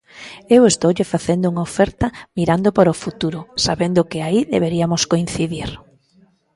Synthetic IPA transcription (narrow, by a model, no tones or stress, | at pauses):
ewest̪owʎɪfaθend̪ʊuŋaofɛɾt̪ɐmiɾand̪opoɾofut̪uɾʊsaβend̪ʊkɪaiðeβeɾiamoskoĩnθiðiɾ